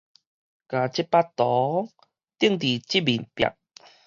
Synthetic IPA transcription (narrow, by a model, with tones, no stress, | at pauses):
ka˨˩t͡ɕi˦pa˦t̪ɔ˨˦ | t̪i˥˩˨ŋt̪i˨˩t͡ɕi˦˥bi˨˩npja̰˨˩k̚